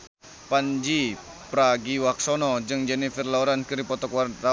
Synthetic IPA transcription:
pand͡ʒi | pɾaɡiwaksɔnɔd͡ʒɨŋd͡ʒɛnifərlauɾankəɾipɔt̪ɔkwarra

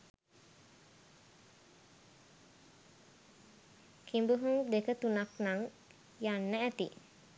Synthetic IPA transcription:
kʰimbuɦuŋd̪ekət̪unaknaŋ | janːæʔːt̪ḭ

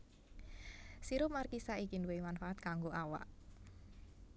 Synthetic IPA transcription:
siɾʊp̚markisaʔikinduwemanfaʔat̪̚kaŋɡoʔawa̰ʔ

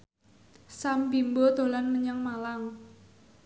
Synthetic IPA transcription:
sambimbod̪̥o̤lanməɲəŋmalaŋ

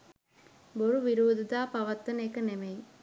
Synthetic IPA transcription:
boɾuʋiɾuːd̪ɐd̪aːpɐʋɐt̪ːɐneːkɐnemej

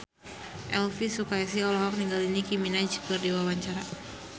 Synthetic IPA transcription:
ʔɛlfisukais̬iɔlɔɦɔk̚niŋɡalinikiminad͡ʒkərdiwawaɲt͡ʃaɾa

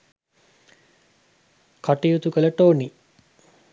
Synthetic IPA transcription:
kaʈijut̪ukələʈoːni

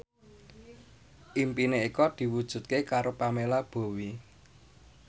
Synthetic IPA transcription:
ʔimpineikɔd̪̥i̤wud̥ʒ̥ṳt̪̚kekaɾopamelab̥o̤wi

